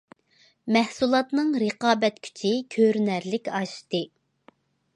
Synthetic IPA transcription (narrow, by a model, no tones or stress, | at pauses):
mɛhsulˠɑt̪nɨŋɾəqɑːbɛt̪kʲʰy̥t͡ʃʰikʲʰøɾnæɾlɪkʲɑʃt̪ɨ